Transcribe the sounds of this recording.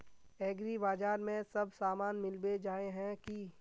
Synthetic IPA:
ɛːɡɾibaːd͡ʒaːɾmẽsɐbsaːmaːnmɪlbed͡ʒaːeɦɛ̃ki

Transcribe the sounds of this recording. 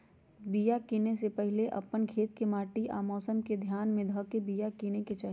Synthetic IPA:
bijakiːnesepɛɦleʔɐ̰pənkʰeːt̪kemaːʈiʔa̰ːmɔːsəmked̪ʱjaːnmẽd̪ʱɔːkebijakineket͡ʃaːɦ

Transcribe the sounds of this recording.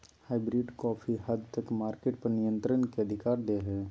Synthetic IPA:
haːɪbɾɪɖkɔːpʰiɦəd̪t̪əkmaːɾkeʈ̚pɐɾnɪjə̃nt̪ɾənkeɐd̪ʱɪkaːɾd̪eɦɛː

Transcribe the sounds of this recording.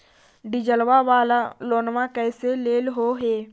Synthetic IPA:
ɖɪd͡ʒəlʋaʋaːlaloːnʋãkɛːseleːlɦoɦeː

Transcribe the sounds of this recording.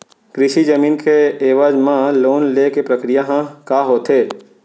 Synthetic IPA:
kɾɪʃid͡ʒəmiːnkeeːʋaːd͡ʒmãloːnlekepɾəkɾijaɦãkaːɦoːt̪ɦeː

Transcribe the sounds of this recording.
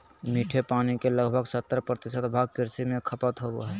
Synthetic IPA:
miːʈʰepaːnikeləɡbʱəɡsət̪ːəɾpɾət̪ɪʃət̪bʱaːɡ̚kɪɾsimẽkʰəpət̪ɦoboɦɛː

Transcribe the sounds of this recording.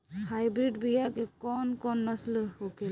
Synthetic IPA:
hajbɾidbijakɛkɔnkɔnːɔslɯhokel

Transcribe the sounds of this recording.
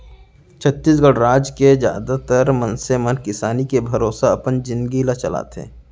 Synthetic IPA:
t͡ʃʰət̪ːiːs̬ɡəɽɾaːd͡ʒked͡ʒja̰ːd̪at̪əɾmənsemənkɪsaːnikebʱɐɾoːsaɐpənd͡ʒɪ̃nd̪ɡilat͡ʃɐla̰ːt̪ḛː

